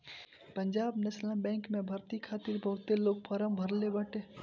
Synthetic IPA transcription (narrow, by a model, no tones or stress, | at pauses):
pə̃ɲd͡ʒaːbnəslãbɛ̃ːŋkmẽbʱɐɾt̪ikʰaːt̪iɾbʱɐːt̪eloːɡ̚pəɾəmbʱəɾlebəʈeː